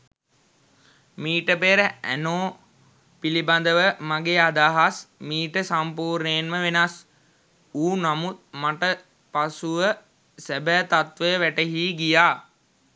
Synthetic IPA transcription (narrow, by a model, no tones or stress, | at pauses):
miːʈəpeːɾəæ̰noː | piliband̪əʋəmaɡeːad̪aːɦasmiːʈəsampuːɾneːnməʋenas | uːnamut̪̚maʈə | pasuʋə | sæbæːt̪at̪ʋəjəʋæʈəɦiːɡijaː